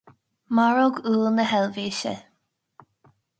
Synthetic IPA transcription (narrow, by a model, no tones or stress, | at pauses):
maɹoɡuːlˠnəɦɛlviːʃə̰